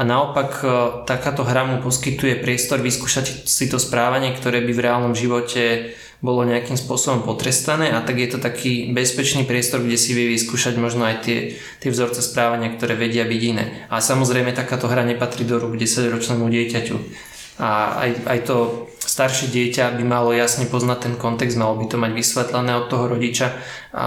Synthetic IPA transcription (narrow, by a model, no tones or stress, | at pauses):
anaɔpakt̪akaːt̪ɔɦɾamupɔskit̪ujɛpɾɪɛst̪ɔɾʋiskuːʃacsit̪ɔspɾaːʋaɲɪɛkt̪ɔɾɛːbivɾɛaːlnɔmʒiʋɔcʰɛ | bɔlɔɲɛakimspʊɔsɔbɔmpɔt̪ɾɛst̪anɛːʔat̪aɡjɛt̪ɔt̪akʰiːbɛspɛt͡ʃniːpɾɪɛst̪ɔɾɡɟɛsiʋɪjɛʋiskuːʃaɟmɔʒnɔajt̪ɪɛ | t̪ɪɛvzɔɾt͡sɛspɾaːʋaɲɪakt̪ɔɾɛːʋɛɟɪabiɟinɛ̰ːalɛsamɔzɾɛjmɛt̪akaːt̪ɔɦɾaɲɛpat̪ɾiːd̪ɔɾuɡɟɛsaɟɾɔt͡ʃnɛːmuɟɪɛcacṵ | aa̰ja̰jt̪ɔst̪aɾʃɛɟɪɛcabimalɔjasɲɛpɔznac̚t̪ɛnkɔnt̪ɛɡzd̪malɔbit̪ɔmaɟʋisʋɛt̪lɛnɛːɔt̪ːɔɦɔɾɔɟit͡ʃa | ʔa̰